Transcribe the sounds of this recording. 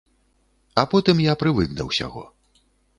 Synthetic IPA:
apɔt̪ɨmjapɾɨvɨknɐ̰wsʲa̰ɣɔ̰

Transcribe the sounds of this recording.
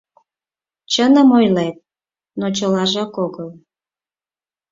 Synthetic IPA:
t͡ɕənəmojlet̪̚ | not͡ɕəlɑʒɑkoɣəl

